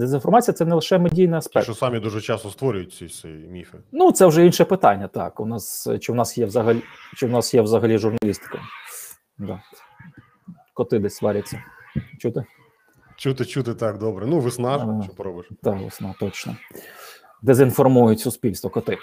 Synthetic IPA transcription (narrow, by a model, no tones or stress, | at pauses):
d̪ezinfɔrmɑt͡sʲijɐtsɛnɛlˠɪʃɛmedʲijnɪɐspɛkʃt͡ʃɔsɑmʲid̪uʐɛt͡ʃɑst̪ɔst̪ʋɔɾʲʊjʊt̚ʲsʲisɛimʲifɪnut̪sɛwʒɛinʃɛpɪt̪ɑnʲːɐt̪ɑ̰kʊnɑst͡ʃɪwnɑsjɛwzɐɦɐlʲit͡ʃɪwnɑsjɛwzɐɦɐlʲiʒʊrnɐlʲist̪ɪ̥kɐ̰ | d̪ɑ | kɔt̪ɪd̪ɛsʲʋɑɾʲɐt͡sʲːɐt͡ʃut̪ɪ | t͡ʃut̪ɪt͡ʃut̪ɪt̪ɑkd̪ɔbɾɛnuʋɪsnɑɔpɾɔbɪʃt̪ɑkʋɪ̰snɑt̪ɔt͡ʃnɔ̰ | d̪ezinfɔrmujʊtʲsʊspʲilʲst̪ʋɔkɔt̪ɪ